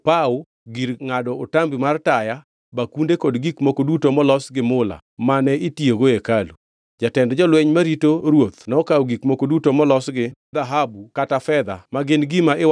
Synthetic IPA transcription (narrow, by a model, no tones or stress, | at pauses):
pao | ɡiɾŋadɔːtambimartaja | bakundekodɡikmokodutomɔlɔsɡɪmʊla̰ | manɛitioɡoekalu | d͡ʒatɛndd͡ʒɔlwɛɲmaɾitoɾwot̪nɔɔkawɡikmokodutomɔlɔsɡɪd̪aɦabukatafɛd̪a̰maɡɪnɡimaʔɪw